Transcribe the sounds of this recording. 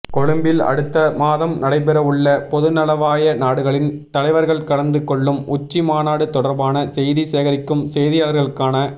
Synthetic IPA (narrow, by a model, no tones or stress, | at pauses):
kɔɻɯmbɪlɐ̰ɽɯt̪ːɐmaːðɐmnɐɽɐɪpɛɾɐʋɯɭːɐpɔðɯnɐlɐʋaːjɐnaːɽɯɣɐɭɪnt̪ɐlɐɪʋɐɾɣɐɭkɐɽɐnd̪ɯkːɔɭːɯmʊt͡ʃːimaːnaːɽɯt̪ɔɽɐɾbaːnɐsɛjðiseːɣɐɾɪkːɯmsɛjðɪjaːlɐɾɣɐɭɯkːaːnɐ